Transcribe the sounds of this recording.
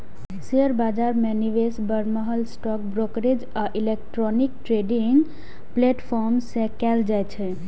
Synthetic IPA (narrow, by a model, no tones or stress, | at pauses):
siəɾbad͡ʒaɾmeniʋesbəɾməɦəlsʈɔk̚bɾokɾed͡ʒ | aʔilek̚ʈɾɔnik̚ʈɾeɖiŋɡ | plɛʈpʰɔɾmsẽkɛld͡ʒajt͡ʃʰɛ